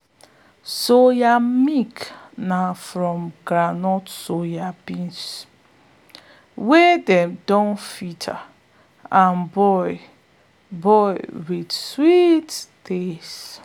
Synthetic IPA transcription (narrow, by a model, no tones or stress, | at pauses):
sojamik | nafɾɔ̃mɡɾanɔtsojabĩns | wedɛmdɔ̃nfitʰa̰ | ãnbɔjɪ | bɔjwidswitdes